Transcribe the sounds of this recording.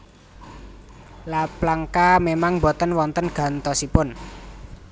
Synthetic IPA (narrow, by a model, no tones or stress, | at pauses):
laplaŋkamemaŋbɔt̪ənwɔnt̪ənɡ̥ä̤nt̪ɔsipʊn